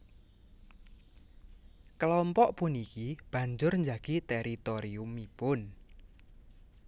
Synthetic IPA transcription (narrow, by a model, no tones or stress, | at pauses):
kəlɔmpɔʔpʊnikib̥ä̤ɲd͡ʒʊrɲd͡ʒaɡ̥it̪ɛɾit̪oɾiumipʊn